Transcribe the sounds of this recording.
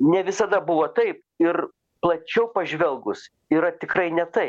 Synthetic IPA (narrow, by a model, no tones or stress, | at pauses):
nʲɛʋʲɪsɐd̪ɐbʊʋoːt̪ɐɪp̚ | ɪr | plˠɐt͡ʃʲɛʊpɐʒʲʋʲɛlˠɡʊs | iɾɐt̪ʲɪkɾɐɪnʲɛt̪ɐɪp